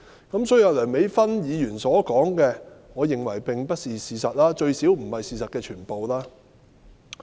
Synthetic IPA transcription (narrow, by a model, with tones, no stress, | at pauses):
kɐ˨˥msɔː˨˥y˨˩˧lœː˨˩me˨˥jfɐ˥njiː˨˧jyː˨˩nsɔː˨˥kɔː˨˥ŋkɛː˧ŋɔː˨˧jɪ˨ŋwɐ˨˩jpɪ˨ŋpɐ˥t̚siː˨siː˨sɐ˨t̚laː˥t͡ʃɵ˧ɥsiː˨˥wm̩˨˩hɐ˨jsiː˨sɐ˨t̚kɛː˧t͡ʃʰyː˨˩npo˨wlaː˥